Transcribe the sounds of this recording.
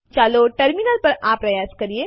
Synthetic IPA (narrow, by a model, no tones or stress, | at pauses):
t͡ʃaːloʈɐɾmɪnəlpɐɾaːpːɾɐjaːzkɐɾie